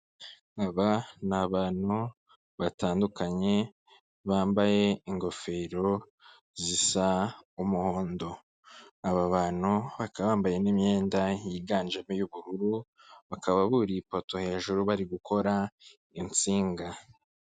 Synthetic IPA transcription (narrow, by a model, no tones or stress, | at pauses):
ŋaβanaβaːn̥hu | βataːndukaɲe̞ | βaːmbaje̞iŋɡo̞fe̞ːɾo̞ | zisaumuhoːndo̞ | aβaβaːn̥uβakaβaːmbaje̞nimɲe̞ːndaiɡaːnd͡ʒamejuβuɾuɾu | βakʰaβaβuɾipo̞to̞he̞ːʒuɾuβaɾiɡukʰo̞ɾa | int͡siːŋɡa